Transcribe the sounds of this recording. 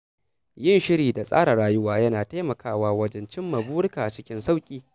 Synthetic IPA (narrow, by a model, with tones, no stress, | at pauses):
jɪ˦nʃɪ˦ɾiː˨da˨sʼa̰ː˦ɽa˨ɽaː˦jʊ˦waː˦jɐ˦naː˨ta˦mɐ˨kaː˦waː˦wɐ˦d͡ʒɛ˦nt͡ʃɪ˦mːɐ˨buː˦ɽkaː˨t͡ʃɪ˦kʲɪ˦nsa˦˨wkʲʼiː˦